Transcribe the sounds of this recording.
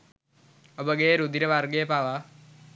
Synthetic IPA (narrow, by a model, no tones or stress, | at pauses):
obəɡeɾud̪iɾəʋaɾɡeːpaʋa